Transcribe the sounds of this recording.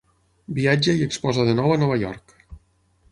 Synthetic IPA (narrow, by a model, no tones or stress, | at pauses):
biad͡ʒəiəkspɔzəðənɔwanɔβ̞ajɔ̰ɾk